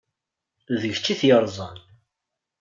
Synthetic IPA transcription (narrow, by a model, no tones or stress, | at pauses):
ðəʝt͡sːiθjəɾˤzˤən